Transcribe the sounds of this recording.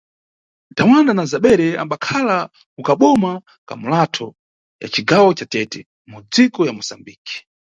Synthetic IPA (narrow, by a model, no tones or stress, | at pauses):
dawandanazaɓɛɾɛa̰mbakʰala | ukaɓɔma | ka̰mulatʰɔ | ja̰t͡ʃiɡawɔt͡ʃatɛtɛ | mud͡zikɔjamusambiːki̥